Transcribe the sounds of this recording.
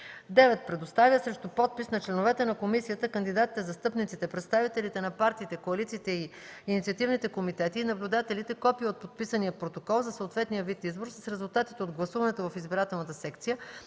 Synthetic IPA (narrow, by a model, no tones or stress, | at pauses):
d̪ɛvɛt̪̚pɾɛd̪ost̪avjəsɾɛʃt̪ʊpɔt̪̚pisnɐt͡ʃlɛnovɛt̪ɛnɐkomisijət̪əkənd̪id̪at̪i̥t̪ɛzɐst̪ɤpnit̪sit̪ɛpɾɛt̪st̪avit̪ɛlit̪ɛnɐpaɾt̪iːt̪ɛkoɐlit̪siːt̪ɛiː | nit̪sʲiət̪ivnit̪ɛkomit̪ɛt̪iːnɐblʲud̪at̪ɛlit̪ɛkɔpiəot̪̚pot̪pisənijəpɾot̪okɔlˠzɐsəot̪vɛt̪nijəvit̪izboɾsəsɾɛzulˠt̪at̪it̪ɛod̪ɡlˠɐsuvɐnɛt̪ovɐfizbiɾat̪ɛlˠnət̪əsɛkt̪sijə